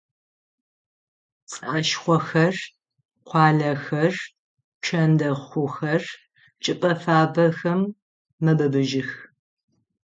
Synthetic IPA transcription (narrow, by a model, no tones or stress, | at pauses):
t͡sʼaːʃχʷɔxɐr | qʷɑːɮɐxɐr | t͡ʃʰɐndɐχʷʊxɐr | t͡ʃʼɪpʼɐfaːbɐxɐmː | ɐbɐbɨʒɪx